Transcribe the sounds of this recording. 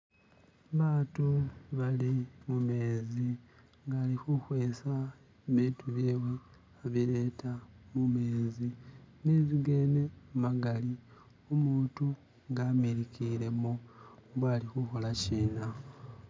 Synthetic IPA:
βaːtuβalimume̞ːzi | ŋɡaːlixuxwe̞ːsa | βiːtuβjeːβwe̞ | aβiɾe̞ːtʰamume̞ːzineziɡe̞ːne̞umaɡali | omuːtu | ŋɡaːmiɾikiɾe̞moβwaːlixuxo̞laciːna

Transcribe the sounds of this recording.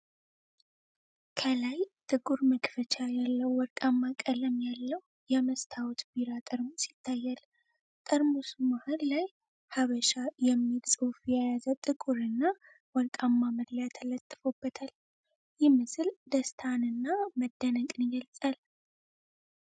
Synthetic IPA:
kʰəlajt̪ʼɨkʼuɾməkʼfət͡ʃʰajalːəwːɔɾkʼamːakʼələmjalːəw | jɛməst̪ʰawɔt̪biɾat̪ʼəɾmosit̪ʰːajːal | t̪ʼəɾmusumahəllaj | haβəʃajɛmːilsʼɨfjajazət̪ʼɨkʼuɾɨnːa | wɔɾkʼamːaməd̪lajat̪ʰələt̪ʼːɨ̥fobːət̪ʰal | jɪmɨsɨld̪əst̪ʰanɨnːaməd̪ːənəkʼɨnɡəlsʼal

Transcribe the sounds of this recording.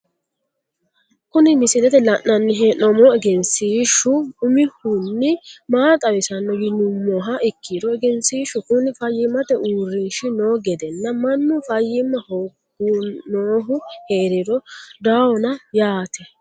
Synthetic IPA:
kʊnɪmɪsɪlɛt̪ɛlɐʔnɐnːɪɦenɔmɔɛɡɛnsiːʃʊʊmɪhʊnːɪmaːt̪ʼɐwɪsɐnːɔɡɪnʊmːɔɦɐʔɪkːiɾɔɛɡɛnsiːʃʊkʊnɪfɐjːɪmːɐt̪ɛʔuːrːɪnʃɪnoːɡɛd̪ɛnːɐmɐnːʊfɐjːɪmːɐhoɡ | unoːɦʊheːɾɪɾɔd̪awɔnɐjaːt̪ʰɛ

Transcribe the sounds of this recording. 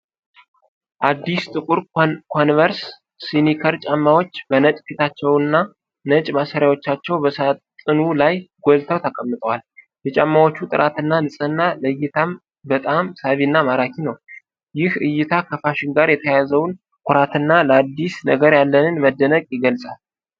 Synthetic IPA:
ʔad̪ːist̪ʼɨkʼuɾkʰo̞nvəɾsː | inikʰəɾt͡ʃʼamːawo̞t͡ʃːbənət͡ʃʼfit̪ʰat͡ʃːɛwɨnːa | nət͡ʃʼmasəɾjawo̞t͡ʃːat͡ʃːɛwbəst̪ʼɨnulajɡolt̪ʰəwt̪ʰəkʼəmːɨt̪ʼəwal | jɛt͡ʃʼamːawot͡ʃːut̪ʼɨɾʔat̪ɨnːanɨsʼənːaləɨjːɪt̪ʰam | bət̪ʼamsaβinːamaɾakʰinəw | jɪhʔɨjːɪt̪ʰakʰəfaʃɪnɡaɾjɛt̪ʰəjazəwn | kʷʰʊɾat̪ʰɨnːaləad̪ːisnə̰ɡəɾjalːənɨnməd̪ːənəkʼjɪɡəlsʼal

